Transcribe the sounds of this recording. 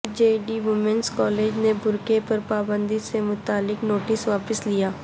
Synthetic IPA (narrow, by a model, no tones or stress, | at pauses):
d͡ʒeːɖiʋʊmɛ̃nskɔːleːd͡ʒnebʱʊɾkepɐɾpaːbə̃nd̪isemʊt̪aːlːɪknoːʈɪsʋaːpəslijaː